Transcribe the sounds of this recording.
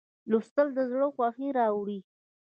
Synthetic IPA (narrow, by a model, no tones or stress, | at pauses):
lust̪əld̪əzɽəxwɑxiɾɑwɽi